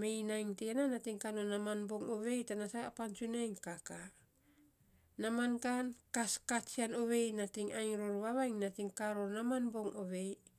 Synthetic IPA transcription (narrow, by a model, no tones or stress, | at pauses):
me̞jnajŋteananatiŋkanonamanbo̞ŋoβe̞jtanasapant͡ʃunajŋkaka | namankankaskat͡ʃiano̞βe̞jnatiŋajŋɾoɾβaβajŋnatiŋkaɾoɾnamanbo̞ŋoβe̞j